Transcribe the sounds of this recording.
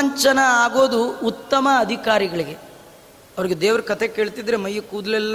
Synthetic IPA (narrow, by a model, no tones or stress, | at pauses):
ɲt͡ʃɐnɐaːɡo̞ːd̪uut̪ːɐmɐːd̪ʱikaːɾiɡɐɭiɡe̞ | ɐʋɐɾiɡed̪eːʋɐɾukɐt̪eke̞ːɭt̪id̪ɐɾemɐjːɐkuːd̪ɐlɛlː